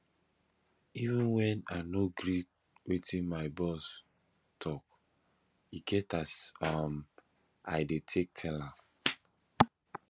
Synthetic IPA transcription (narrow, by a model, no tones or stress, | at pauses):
ivĩnwɛ̃nanoɡɹi | wetĩnmaɪbɔs | tʰɔk | iɡɛtasam | a̰ɪdetʰek̚tʰɛlã